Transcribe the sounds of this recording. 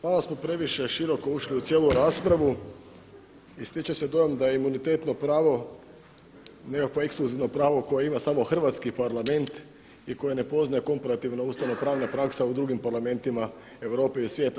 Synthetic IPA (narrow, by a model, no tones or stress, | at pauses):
malasmo̞pɾe̞ʋiʃe̞ʃiɾo̞ko̞uʃliut̪sje̞ːluɾaːspɾaʋu | ist̪it͡ʃese̞d̪o̞jomd̪ajeimunit̪e̞ːt̪no̞pɾaːʋo̞ | ne̞kakʋoeksklˠuziʋno̞pɾaːʋo̞ko̞jeimasaːmo̞xr̩ʋat̪skipaɾlˠame̞nt̪ | iko̞jene̞po̞znaje̞ko̞mpaɾat̪iʋnauːst̪aʋno̞pɾaːʋnapɾaːksaud̪ɾuɡimpaɾlˠame̞nt̪ima | e̞ʋɾo̞ːpe̞isʋje̞ːt̪a